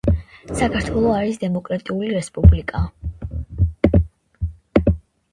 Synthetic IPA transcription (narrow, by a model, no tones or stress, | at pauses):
sakʰaɾt̪ʰwɛlˠɔaɾisd̪ɛmɔkʼɾat̪ʼiuliɾɛspʼublikʼa